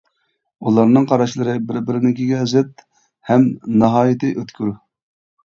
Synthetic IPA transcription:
ulˠɑɾnɨŋqʰɑɾɑʃlˠɨɾɨbɪɾbɪɾɪnɪkʲiɡʲɛzɪt̪̚ | hɛmnɑɦɑːjɪt̪ʰɨʔøt̪kʲyɾu

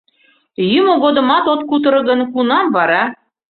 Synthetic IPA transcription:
jymoɣod̪ɤ̆mɑt̪ot̪̚kut̪ɤ̆ɾɤ̆ɣə̆nkunɑmβɑɾɑ

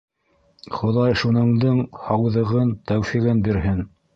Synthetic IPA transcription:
χŏðɑjʃunɤ̆ɴd̪ɤɴhɑwðɤ̆ʁɤnt̪æwfiʁɘnbiɾɦɘn

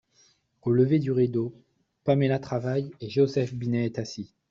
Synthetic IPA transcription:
oləved̪yʁid̪o | pamelat̪χavajeʒeosɛfbinɛːt̪asi

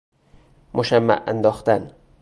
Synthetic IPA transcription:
mʔoʃæmːæ̰ʔæ̰nd̪ɒːxt̪æn

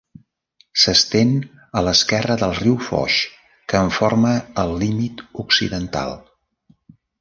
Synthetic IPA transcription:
səst̪en | ələskɛrəðəlˠriwfɔ̰ʃ | kəːɱforməːlˠːimit̪uksḭðənt̪a̰lˠ

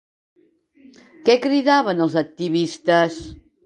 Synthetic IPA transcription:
kɛkɾiðaβənəlˠzək̚t̪iβist̪əs

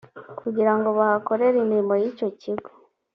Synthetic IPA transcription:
kʰuɟiɾaŋɡo̞βahako̞ɾe̞ɾimiɾimo̞jiːco̞ciɡo̥

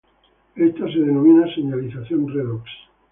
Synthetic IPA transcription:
est̪aseðenomĩnaseɲaliθaθjõnreðoks

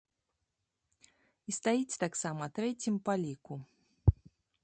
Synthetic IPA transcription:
ist̪ajit͡sʲt̪aksamɐt̪ɾɛt͡sʲimpalʲiku

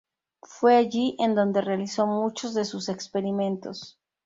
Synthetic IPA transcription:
fwe̞aʝiʔend̪o̞nd̪e̞realiso̞mut͡ʃo̞zðe̞suse̞kspe̞ɾimẽ̞nt̪o̞s

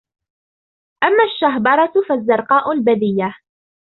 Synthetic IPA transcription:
ʔamːaːʃːaɦbɑɾˤɑt̪fazːɑɾˤqɑːʔʊlbaðɪjːa

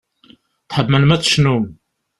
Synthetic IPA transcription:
θħəbmənmæt͡sːə̥ʃnum

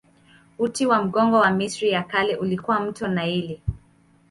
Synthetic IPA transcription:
utiwam̩ɠɔŋɡɔwamisɾijakalɛʔulikuwam̩tɔnaili

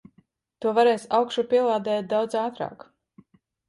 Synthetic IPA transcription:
t̪uɔvaɾɛːsawkʃupʲiɛlˠaːd̪ɛːt̪̚d̪awd̪zaːt̪ɾa̰ːk

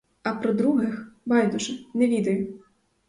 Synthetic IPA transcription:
ɐpɾɔd̪ɾuɦɪxbɑjd̪ʊʒɐnɛʋʲid̪ɐjʊ

